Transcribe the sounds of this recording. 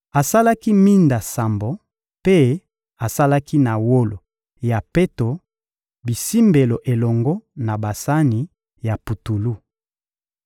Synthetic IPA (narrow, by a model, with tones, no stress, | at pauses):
a˨sa˦la˦ki˦mi˦nda˨sa˨mbo˨ | pe˦ | a˨sa˦la˦kʰi˦na˨wo˦lo̰˨ | ja˨pe˦to˨ | bi˨si˦mbe˨lo˨ʔe˨lɔ˨ŋɡɔ˦na˨ba˨sa˦ni˨ | ja˨pu˨tu˨lu˦